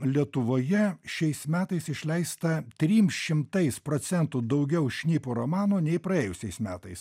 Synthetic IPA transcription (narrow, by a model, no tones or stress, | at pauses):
lʲiɛt̪ʊʋoːjɛʃʲɛɪsmʲæːt̪ɐɪsɪʃʲlʲɛɪst̪ɐt̪ʲɾʲiːmsʃʲɪmt̪ɐɪspɾoːsʲɛnt̪uːd̪ɐʊɡʲɛʊʃʲnʲiːpoːɾomɑːnoːnʲɛɪpɾɐeːjʊsʲɛɪsmʲæːt̪ɐɪs